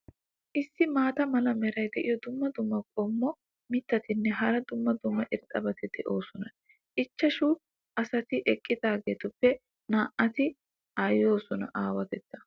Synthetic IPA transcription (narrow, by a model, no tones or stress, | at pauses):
ʔɪsːɪmaːt̪ɐmɐlɐmɛɾɐjd̪ɛʔɪjɔd̪ʊmːɐd̪ʊmːɐkʼɔmːɔ | mɪt̪ːɐt̪ɪnːɛɦɐɾɐd̪ʊmːɐd̪ʊmːɐʔɪɾt̪ʼːɐbɐt̪ɪd̪ɛʔoːsɔnɐ | ʔɪt͡ʃːɐʃuː | ʔɐsɐt̪ɪʔɛkʼːɪd̪aːɡeːt̪ʊpːɛ | naːʔɐt̪ɪ | ʔajo̞ːsɔnɐ̰ʔaːwɐt̪ɛt͡sːɐ̥